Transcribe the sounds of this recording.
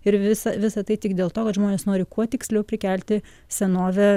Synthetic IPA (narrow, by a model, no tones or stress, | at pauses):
ɪɾʋʲɪsɐʋʲɪsɐt̪ɐɪt̪ʲɪkd̪ʲeːlˠt̪oːkɐt̪ʒmoːneːsnoːɾʲɪkʰuɔt̪ʲɪksʲlʲɛʊpʲɾʲɪkʲælʲt̪ʲɪ | sʲɛnoːʋʲɛ